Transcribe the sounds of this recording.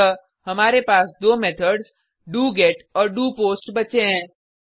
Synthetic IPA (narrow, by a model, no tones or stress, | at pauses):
ə | ɦɐmaːɾepaːsd̪oːmɛːt̪ʰəɾɖz | ɖuːɡeːʈɔːɾɖuːpoːsʈbɐt͡ʃeɦɛ̃ː